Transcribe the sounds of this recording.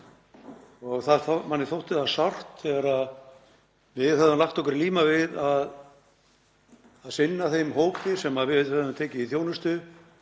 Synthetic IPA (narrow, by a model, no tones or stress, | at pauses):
ɔɣθaðθmanːɪθowht̪ɪθasawr̥t̪θɛɣaɾað | vɪðθɛðʏmlaxt̪ɔhkʏɾliːmavɪðað | aðsɪnːaθejmɦoːwkt̪ɪsɛmaðvɪðɛðʏmt̪ʰɛːcɪiθjoːwnʏst̪ʏ